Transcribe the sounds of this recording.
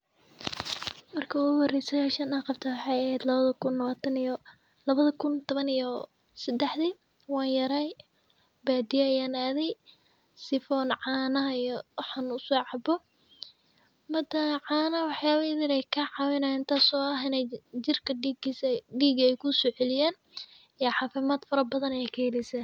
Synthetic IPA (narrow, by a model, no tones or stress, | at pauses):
mɐrkʰɐʊɣʊwɑrɛsɐjɛʃɐnaːqɑb̚t̪ʰawɑħɑːjɐhɛːd̪lɐβɐðɐkʰʊnːɐwaːt̪ʰɐn | lɐβɐðɐkʰʊnt̪ʰɔβɐnijɔ | sɐd̪ɛħði | wɑːnjɐɾaj | baːd̪ɪjɛːjaːnaːðɛj | sɪfɔnʕɑːnɐɦɐijɔwɑħanʊsɔːʕɑbɔ | mɐd̪ɐʕɑːnɐwɑħjaːβɐɪðɪɾɛjkʰɐʕɑwɪnaɪnt̪ʰaːsɔːɐɦɪnɛd͡ʒɪrkʰɐɡɖiːɡɐɛjkʰʊsɔːʕɛlɪjɛːn | ɛjʕɑːfɪmaːd̪̥fɐɾɐbɐðɐnɐjɛjkʰɐhɛlɪsɐ